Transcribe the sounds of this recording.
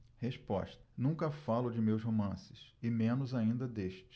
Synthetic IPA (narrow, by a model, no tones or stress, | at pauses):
heʃpɔ̰ʃt̪ɐ̥nũŋkɐfalʊd͡ʒɪmewsɦomɐ̃sɪsɪmẽnʊzaĩnd̪ɐd̪eʃt͡ʃɪ̥